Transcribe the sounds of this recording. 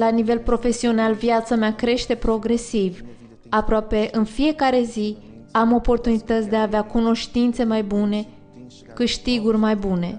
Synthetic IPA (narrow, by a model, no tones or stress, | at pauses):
lanive̞lpɾo̞fe̞sio̞nalvjat̪sameakɾe̞ʃt̪e̞pɾo̞ɡɾe̞siv | apɾoape̞ʔɨnfije̞kaɾe̞zi | amo̞po̞rt̪unit̪ət̪sʲd̪eaːveakuno̞ʃt̪int̪se̞majbune̞ | kɨʃt̪iɡurʲmajbune̞̰